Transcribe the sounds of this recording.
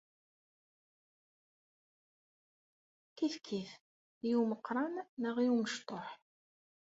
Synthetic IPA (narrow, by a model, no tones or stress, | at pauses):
kiθkʰːiθ | juwməqːɾˤɑnːəʁiunəʃt̪ˤoħ